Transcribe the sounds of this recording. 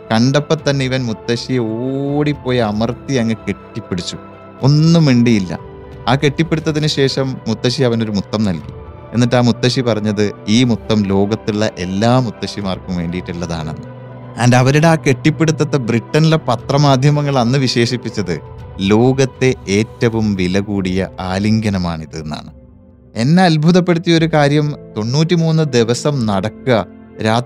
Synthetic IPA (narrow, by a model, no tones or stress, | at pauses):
kɐɳɖɐpːɐt̪ːɐnːe̞iʋɐnmut̪ːɐɕijeoɽipːo̞ːjɐmɐrt̪iɐŋːɐke̞ʈːipːeɽit͡ɕːu | o̞nːumʋiɳɖijilːɐ̰ | aːke̞ʈːipːeɽut̪ːɐðinɨɕe̞ːʂɐmːut̪ːɐɕiɐʋɐno̞ɾumut̪ːɐmnɐlki̥ | e̞nːɐʈːaːmut̪ːɐɕipɐrɐɲːɐðɨiːmut̪ːɐmlo̞ːɡɐt̪ːiɭːɐʔe̞lːaːmut̪ːɐɕimaːrkumʋe̞ːɳɖijiʈːilːɐða̰ːɳḛnːɨ | ɐːndɐʋɐɾuɽeaːke̞ʈːipːe̞ɽut̪ːɐt̪ːɐbriʈːɐnilepɐt̪rɐmaːd̪ʱjɐmɐŋːɐɭɐnːɨʋiɕe̞ːɕipːit͡ɕːɐðɨlo̞ːɡɐt̪ːe̞teːtːɐʋumʋilɐɣuːɽijɐ̰aːliŋɡɐnɐmaːɳiðɨenːa̰ːɳɨ | e̞nːeɐlbʱuðɐpːe̞ɽut̪ːijɐoɾukaːɾjɐmt̪o̞ɳːuːtːimuːnːɨd̪iʋɐsɐmnɐɽɐkːɨɐɾaː